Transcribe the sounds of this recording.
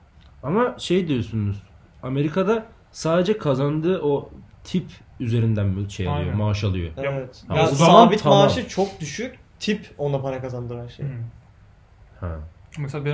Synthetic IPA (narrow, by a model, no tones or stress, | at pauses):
amaʃe̞jd̪ijo̞sunuz̥ | ame̞ɾikʰad̪a | saːd̪ed͡ʒɛkʰazand̪ɯːʔot̪ʰipyze̞ɾind̪ænmʃeja̰lˠijomaʃalˠɯjo̰ɛɛt̪haozaanbit̪ʰamaʃɯt͡ʃʰok̚d̪yʃykʲ | t̪ʰipo̞napaɾakazand̪ɯːhæɾʃḛj | hɛ̰ | mɛsb